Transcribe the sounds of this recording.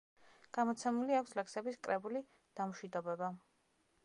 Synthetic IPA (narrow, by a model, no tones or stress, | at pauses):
ɡ̥amɔt̪sʰɛmuliakʷʰslɛksɛbiskʼɾɛbuli | d̪̥amʃid̪ɔbɛba